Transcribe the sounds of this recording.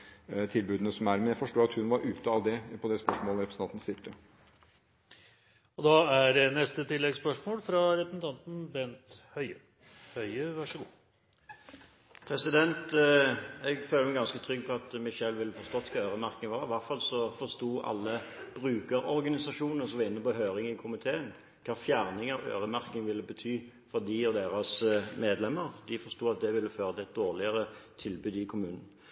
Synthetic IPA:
t̪ʰɪlbʉːd̪n̩əsɔmæɾmɛnjæɪfɔʂʈoːɑt̪hʉnʋɑɾʔʉːt̪əɑʋd̪ɛpʰɔd̪ɛspœʂmɔːləɾɛpɾsnɑnt̪nəsɪlt̪ə | ɔd̪ɑːæɖɛnɛst̪ət̪ɪlːɛɡspœʂmoːlfɾɑɾɛpəsn̩t̪ʰɑnt̪n̩bɛnt̪hœʏə | hœʏəʋɑʂəɡuː | pʰɾɛsɪd̪ɛnt̪ | ɛɡføːləmɛɡɑnskət̪ʰɾʏɡ̚ːpʰɔɑt̪mɪʃɛlʋɪlːəfɔʁst̪ɔt̪ːkʰɑːøːɾəmæɾkɪŋʋɑʁɪʋæʁt̪fɑlsɔfɔʁst̪uːʔɑ̰lːəb̥ɾʉːkəɾɔɾɡɑnɪsɑʂuːnəsɔmʋɑɪnːəpɔɦøːɾɪŋɪkʰʊmɪt̪ʰeːən | kʰɑːfjæːʁnɪŋɑʋø̰ːɾəmæʁkɪŋʋɪlːəbət̪ʰyː | fɔɾd̪ɪɔd̪eːɾɑsmeːd̪lɛməɾd̪ɪfɔʁʂt̪uːɑt̪̚d̪ɛʋɪlːəføːʁət̪ɛt̪̚d̪oːʁlɪəɾət̪ʰɪlbʉːd̪ɪkʰʊmʉːnən̩

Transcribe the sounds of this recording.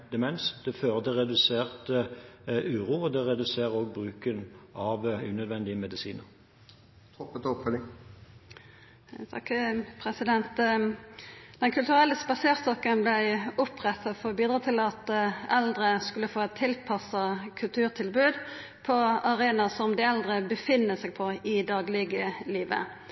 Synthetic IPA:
d̪̥əmɛnsd̪̥ɛføːʁd̪əʁɛd̪ʉseːʁt̪ | ʉːʁuːɔd̪ɛʁɛd̪ʉseːʁoːɡ̚bʁʉːkənɑʋʉnœd̪ʋɛnd̪ɪəmɛd̪ɪsiːnəʁ | t̪ʰɔpːət̪ɔpfœlɪŋ | t̪ʰɑkpʰʁɛsɪd̪ɛnt̪ | d̪̥ɛnkʰʉlt̪ʉʁɛlːəspɑseːʁst̪ɔkːənblæɪʊpʰʁɛt̪ːɑfoːbiːd̪ʁɑːt̪ʰɪlɑt̪ɛld̪ɾəskʉlːəfoːɛt̪ʰɪlpʰɑsɑkʰʉlt̪ʰʉːʁt̪ʰɪlbʉːd̪ | pʰɔɑʁeːnɑsɔmd̪ɪɛld̪ʁəbəfɪnːəsɛɡpʰɔɪd̪ɑːɡlɪɡəliːʋə̰

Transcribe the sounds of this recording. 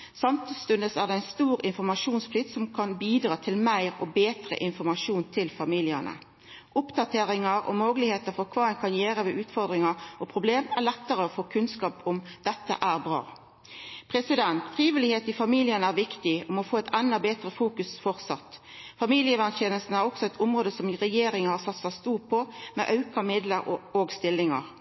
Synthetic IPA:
sɑmt̪ʰəst̪ʉnd̪əsæːʁd̪ɛæɪnst̪uːɾɪnfɔɾmɑʂuːnsflɪt̪sɔmkʰɑnbiːd̪ɾɑːt̪ʰɪlmæɪɾɔbeːt̪ʁə̰ʔɪnfɔɾmɑʂuːnt̪ʰɪlfɑmiːlɪənə̰ | ʔʊpd̪ɑt̪ʰeːɾɪŋɑɾɔ̰moːɡəlɪheːt̪əɾfɔɾkʰʋɑːɛɪnkʰɑnjeːɾəʋɛʔʉːt̪fɔɾd̪ʁɪŋɑɾɔpʰɾʊbleːmæʁlɛt̪ːəɾəɔfoːkʰʉnskɑːpɔmd̪̥ɛt̪ːə̰ʔæːʁbʁɑ̰ː | pʰʁɛsɪd̪ɛnt̪fɾiːʋɪlɪheːt̪ɪfɑmiːlɪənəæɾʋɪkt̪ɪɔmɔfoːɛɪt̪ɛnd̪ɑbeːt̪ɾəfuːkʉsfɔɾt̪sɑt̪fɑmiːlɪəʋænʃɛːnəlsn̩æɾɔksɔɛɪt̪ʰʊmʁoːd̪əsɔmʁɛjeːɾɪŋhɑsɑt̪sɑst̪uːpʰɔmɛ̰ʔɑʉkɑmɪd̪ləɾoːɡst̪ɪlːɪŋɑ̰ʁ

